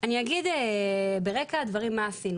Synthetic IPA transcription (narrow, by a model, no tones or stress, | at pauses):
aniaɡid̪ebeʁekad̪vaʁimːaːsinu